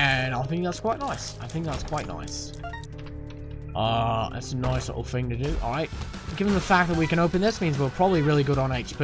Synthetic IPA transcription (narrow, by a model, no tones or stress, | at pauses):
ɨ̃naɪθɪ̃ŋk̚ðætskw̥aɪʔⁿnaɪsa̰ɪθɪ̃ŋk̚ðætskʰw̥aɪʔⁿna̰ɪs | ʔʌɪ̰tsənaɪslɪ̰ʔl̩ˠθɪ̃ŋtɨdɨʔɔ̰lˠɹaɪt̚ | ɡ̥ɪvə̃nðəfæk̚ðət̚wikɨ̃ɾ̃oʊpɨ̃nðɪsmĩnzwilˠpʰɹ̥ɑbəbliɹɪlˠiɡʊɾn̩eɪt͡ʃpʰ